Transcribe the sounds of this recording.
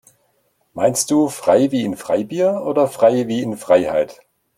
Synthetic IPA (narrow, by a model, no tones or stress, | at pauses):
maɪnst̚d̥uːfʁ̥aɪviːɪnfʁ̥aɪbiːɐʔoːdɐfʁ̥aɪviːɪnfʁ̥aɪha̰ɪt